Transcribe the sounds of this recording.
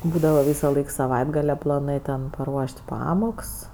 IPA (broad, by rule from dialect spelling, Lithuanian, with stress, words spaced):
ˈbuːdɐʋɐ ˈʋʲiːsɐˌlˠɐɪk sɐˈʋɐɪdɡɐlʲɛ plˠɐˈnɜ tʲɛn pɐˈruɔʃʲtʲ ˈpɑːmoːks